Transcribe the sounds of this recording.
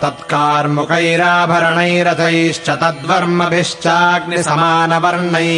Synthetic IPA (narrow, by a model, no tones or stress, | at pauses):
t̪ɐt̪kaːɾmukɐjɾaːbʱɐɾɐɳɐjɾɐt̪ʰɐjʃt͡ʃɐt̪ɐd̪ʋɐɾmɐbiʂt͡ʃaːknsɐmaːnɐʋɐɾɳɐj